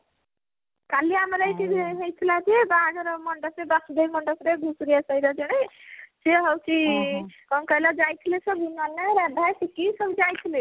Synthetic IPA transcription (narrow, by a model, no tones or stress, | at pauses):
kaliamaɾajtiɦejt̪ʰilad͡ʒebaɡɔɾɔmɔɳʈasebasd̪ejmɔɳʈɔsɾeɡʱusɾijasajɾad͡ʒɔɽ̃eseɦɔwt͡ʃʰikɔŋkɔjlad͡ʒajt̪ʰilesɔbinanaɾad̪ʱajsʰikisɔbud͡ʒajt̪ʰile